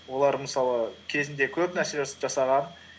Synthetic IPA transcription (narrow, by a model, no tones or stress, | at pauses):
wo̞lˠɑɾməsɑlˠəkʲʰe̞zɪnd̪e̞kʲʰɵpnæɾse̞ʒɑsə̥pʒ̥ɑsɑʁɑn